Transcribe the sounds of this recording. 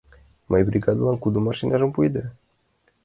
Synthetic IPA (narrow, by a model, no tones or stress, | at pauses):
majbɾiɡad̪uaŋkud̪umaʃinʲaʒumpujd̪e